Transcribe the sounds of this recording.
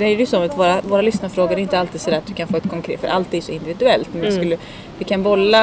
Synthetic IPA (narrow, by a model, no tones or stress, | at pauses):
d̪ɛæɛjsɔmat̪voːɾavoːɾalʏsnaɾfɾoːɡəɾɛɪnt̪əalt̪iːd̪sɔd̪æːɾat̪d̪ɵkʰanfoːɛt̪kʰɔŋkʰɾeːfœ̰ɾʔalt̪ːiːd̪sɔɪnd̪ɪvɪd̪ɵɛlt̪mɛnjɛskɵlːə | vɪkʰanbɔlːa